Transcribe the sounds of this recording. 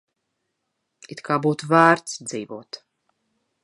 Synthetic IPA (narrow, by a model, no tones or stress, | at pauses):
it̪kʰaːbuːt̪uvæːɾt̪sd̪ziːvuːt̪